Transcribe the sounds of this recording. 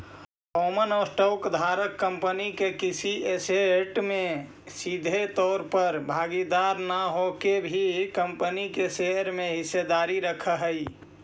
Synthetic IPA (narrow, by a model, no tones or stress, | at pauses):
omənɔːɾsʈɔːkd̪ʱaːɾəkːəmpənikekisieseʈmẽ | sid̪ʱet̪ɔːɾpəɾbʱaːɡid̪aːɾnaɦokebʱikəmpənikeseɦɾmẽɦɪsːed̪aːɾiɾəkʰəɦəi